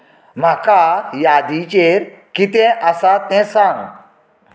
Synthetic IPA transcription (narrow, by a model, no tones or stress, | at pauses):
m̤akajad̪it͡ɕeɾkit̪ɛ̃ʔəsat̪ɛ̃sãŋ